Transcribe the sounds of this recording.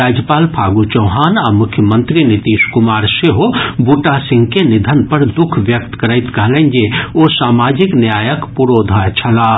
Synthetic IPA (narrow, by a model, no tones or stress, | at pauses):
aːd͡ʒjəpaːlpʰaːɡut͡ʃɐʊɦaːnaːmʊkʰjəmə̃nt̪ɾinɪt̪iːʃkʊmaːɾseɦobuʈasɪ̃ŋɡkenɪd̪ʱənpəɾd̪ʊkʰʋjək̚t̪kəɾəɪt̪kəɦlẽnd͡ʒeosaːmaːd͡ʒɪknjaːjəkpuɾoːd̪ʱət͡ʃʰɐlaː